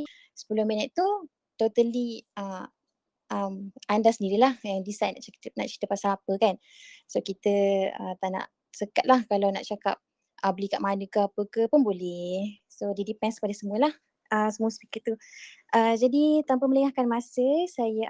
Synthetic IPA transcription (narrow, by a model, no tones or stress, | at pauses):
sə̥pəlohminət̪ːu | t̪ot̪əliə | ʔəmandasəndiɾilahjaŋdisajnaʔt͡ʃt̪na̰ʔt͡ʃi̥t̪əpasaapəkan | sokit̪əə̰t̪aʔna̰ʔ | səkat̪̚lahkalawna̰ʔt͡ʃaka̰p̚ | ʔəbəlikaʔmanəkəapəkəpʊnbolɛh | sodidipɛnskə̥padəsəmuəlah | əsəmuəspi̥kət̪t̪ːuʔəd͡ʒadit̪ampəmələŋahkanmasəsajə